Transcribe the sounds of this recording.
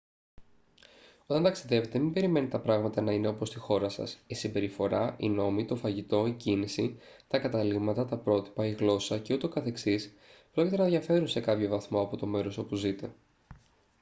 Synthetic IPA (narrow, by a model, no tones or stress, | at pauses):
o̞t̪ɐnt̪ɐksiðevet̪e̞mimbe̞ɾime̞nit̪ɐpɾɐɣmɐt̪ɐnɐine̞o̞po̞st̪ixo̞ɾɐsɐ̰sisimbe̞ɾifo̞ɾɐino̞mit̪o̞fɐʝit̪o̞icinisit̪ɐkɐt̪ɐliɣmɐt̪ɐt̪ɐpɾo̞t̪i̥pɐiɣlo̞sɐce̞ut̪e̞okɐθe̞ksis | pɾocit̪e̞nɐðʝɐfe̞ɾunse̞kɐpço̞vɐθmo̞ɐpo̞t̪o̞me̞ɾo̞so̞puzit̪e̞